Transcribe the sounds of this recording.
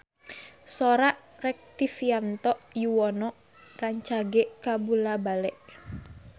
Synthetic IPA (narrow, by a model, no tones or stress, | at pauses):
sɔɾaʔ | rɛk̚t̪ifiant̪ɔʔjuwɔnɔʔ | raɲt͡ʃaɡɛʔkabulabalɛʔ